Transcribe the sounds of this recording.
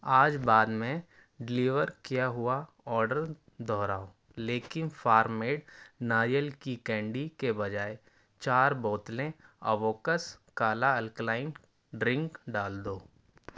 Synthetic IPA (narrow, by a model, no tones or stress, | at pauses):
aːd͡ʒbaːd̪mẽ | ɖɪliːʋəɾkijaɦʊa | ɔːɾɖəɾ | d̪ʱɔːɾaːo | leːkɪnfaːɾmeːɖnaːjəlkikɛ̃ːɳɖikebɐd͡ʒaːe | t͡ʃaːɾbɔːt̪lẽɐ̰ʋoːkəskaːlaɐlklaːɪn | ɖɾɪ̃ŋkɖaːld̪oː